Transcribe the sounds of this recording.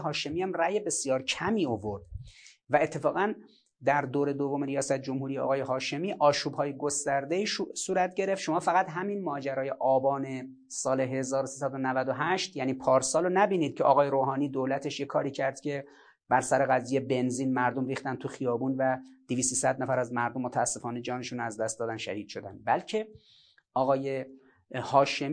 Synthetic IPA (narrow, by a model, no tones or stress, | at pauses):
ɦɒːʃe̞miːæmræjebe̞sjɒːɾcʰæmiːo̞vo̞ɾd̪̥væe̞t̪ʰːe̞fɒːɣæn | d̪æɾd̪oːɾe̞d̪ovomeɾijɒːsæt̪̚d͡ʒo̞mhuːɾijeʔɒ̰ːɣɒːjeɦɒːʃe̞miːʔɒːʃuːbhɒːjeɡost̪æɾd̪eiːsuːɾæt̪̚ɟe̞ɾe̞ft̪ʃo̞mɒːfæɣæt̪ɦæminmɒːd͡ʒæɾɒːje̞ʔɒːbɒːne̞ | sɒːle̞ɦe̞zɒːɾosiːsæd̪onævæd̪oɦæʃt̪jæniːpʰɒːɾsɒːlonæbiːniːd̪̥̚cʰeʔɒːɣɒːjeɾoːɦɒːniːd̪oːlæt̪ʰe̞ʃjekʰɒːɾiːcʰæɾd̪̥cʰe̞ | b̥æɾsæɾeɣæziːjebe̞nziːnmæɾd̪omɾiːxt̪ænt̪ʰuxijɒːbuːnvæd̪̥iviːsisæd̪næfæɾæzmæɾd̪omːot̪ʰæːsːe̞fɒːne̞d͡ʒɒːneʃuːnæzd̪æst̪d̪ɒːd̪ænʃæ̰hiːd̪̥ʃo̞d̪ænd̪bælcʰe̞ | ɒːɣɒːje | hɒːʃe̞m